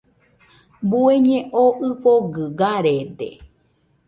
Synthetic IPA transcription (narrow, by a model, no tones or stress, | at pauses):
bueɲẽʔoʔɨpoɡɨɡaɾed̪ḛ